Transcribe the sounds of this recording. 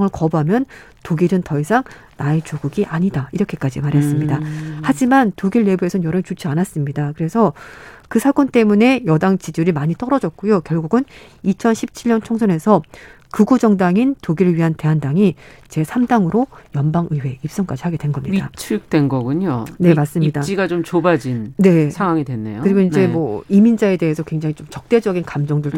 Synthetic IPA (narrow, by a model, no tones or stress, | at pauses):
ŋɯɭkʌbuɦamjʌn | toɡiɾɯntʌisʰaŋ | naet͡ɕoɡuɡiʔaɲidaiɾʌkʰek͈ad͡ʑimaɾɦe̞s͈ɯmɲidahad͡ʑimantoɡiɭːe̞bue̞sʰʌnjʌɾʌt͡ɕot͡ɕʰianas͈ɯmɲidakɯɾe̞sʰʌkɯsʰak͈ont͈e̞mune̞jʌdaŋt͡ɕid͡ʑuɾimaɲit͈ʌɾʌd͡ʑʌk̚k͈ujokjʌɭɡuɡɯn | it͡ɕʰʌnɕʰip̚t͡ɕʰiɭɲʌnt͡ɕʰoŋsʰʌne̞sʰʌ | kɯɡud͡ʑʌŋdaŋintoɡiɾɯɭɥiɦante̞ɦandaŋi | t͡ɕe̞sʰamdaŋɯɾojʌnbaŋʔɯwe̞ip̚s͈ʌŋk͈ad͡ʑihaɡe̞dwe̞nɡʌmɲidat͡ɕʰɯk̚t͈wenɡʌɡuɲone̞mas͈ɯmɲɲidaiɡat͡ɕomt͡ɕobad͡ʑinne̞aŋwaŋidwenːḛjokɯɾiɡoind͡ʑe̞mwʌimind͡ʑae̞de̞ɦesʰʌkweŋd͡ʑaŋit͡ɕomt͡ɕʌk̚t͈e̞d͡ʑʌɡinkamd͡ʑʌŋdɯɭ